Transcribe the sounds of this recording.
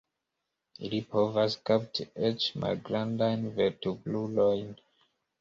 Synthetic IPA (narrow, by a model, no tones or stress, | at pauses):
ilipovaskaptet͡ʃma̰lɡɾãndajnvetublulojn